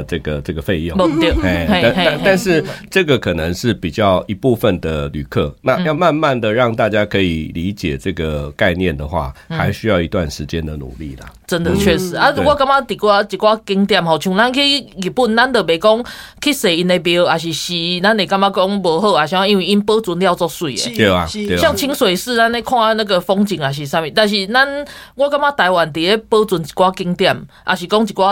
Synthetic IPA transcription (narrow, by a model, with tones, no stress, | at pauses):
ʈ͡ʂə˥˩ɡə˩ʈ͡ʂə˥˩ɡə˩fe˥˧ɪjo˥˨bo˧˨t̪je˧˩e˥˨˩e˥˧˥e˥˧˥a˥˧nʂɻ̩˥˨ʈ͡ʂɤ˥˩ɡə˨kʰə˨˩nə˧˦ŋʂɻ̩˥˩pi˨˩t͡ɕjɑ˥˩ʊi˧pu˥˧fə˨nd̪ə˩ly̰˨˩kʰə̰˥˧na˥˧jɑ˥˧ʊma˥˧nma˥˨nd̪ə˨ɻɑ˥˧ŋt̪a˥˧t͡ɕja˦˥kʰɤ˧˥ḭ˨li˨˦t͡ɕjɛ̰˨˩ʈ͡ʂɤ˥˩ɡə˩ka˥˧ɪnjɛ˥˨nd̪ə˩xwa̰˥˩xa˧˦ɪɕy˥jɑ˥˩ʊi˧t̪wa˥˨˩nʂɻ̩˧˦t͡ɕjɛ˦nd̪ə˨nṵ˨˩lḭ˥˩lə̰˨ʈ͡ʂə˦nd̪ə˨t͡ɕʰɥɛ˥˩ʂɻ̩˧˨a˦wɔ˥˧˦ka˥˧ŋka˦t̪i˨˩kwa˥˧˦t̪i˨˩kwa˦˥ki˧˥ŋt̪ja˥˩mha˨˩ʊt͡ɕʰu˧˦na˥ŋ˧kʰi˥˨ɡi˨˩pu˥˩nna˦˥nd̪ə˨be˨˩kɔ˦ŋkʰi˦˩se˨˩i˧ne˨˧bjɛ˧˦ə˧a˨˩ɕ̬i˨˩ɕi˨na˦˥nẽ˨˩ka˥˧ŋma˦kɔ˦ŋbə˧˦ɦə˥˧a˨˩ɕi˨˧a˥˧i˦nwi˥˩i˦npə˦t͡su˧nlja˥˧ʊt͡sɔ˥˧swe˨˩˨ḛ˨˦e˧˩a˨e˨ɕja˥˧ŋt͡ɕʰi˦˥ŋswe˨˩ɪʂɹ̩˥˧na˦ne˥˧kʰwa˥˧na˥˧˩ɡə˨fɔ˦ŋt͡ɕi˨˩ŋa˨˩ɕ̬i˨˩sa˥˧mɛ˧˨t̪a˥˧˩ɕ̬i˨˩na˦nwɔ˥˧ka˥ŋma˦˥t̪a˧ɪwa˨˩nt̪̬i˨˩e˦pə˦˥t͡swu˨˦nt͡ɕi̥˨˩kwa˦˥ki˧ŋt̪ja˥˩mʔa̰˨˩ɕi˨˩kɔ˦ŋt͡ɕi˨˩kwa˦